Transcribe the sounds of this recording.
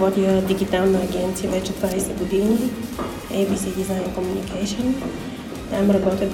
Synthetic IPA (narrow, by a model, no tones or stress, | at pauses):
ɔt̪iəd̪iɡʲit̪alˠnəːɡʲɛnt̪sijəvɛt͡ʃɛd̪vajsɛɡod̪ini | ɛbisid̪izaɪnkomunikʰaʃon | t̪amɾɐbɔt̪jə